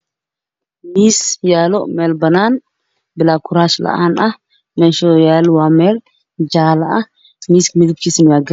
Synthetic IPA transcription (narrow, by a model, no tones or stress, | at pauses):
misjaloʔmelbɐnan | bɨlakʰuɾaʃla̰ʔana | meʃojalwamel | d͡ʒalaʔa | miskmɨɡb̚kisnjaɡɐ